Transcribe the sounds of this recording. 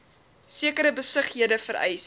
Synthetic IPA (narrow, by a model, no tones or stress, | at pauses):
siəkəɾəbəsəχɦiədəfəɾɛ̰js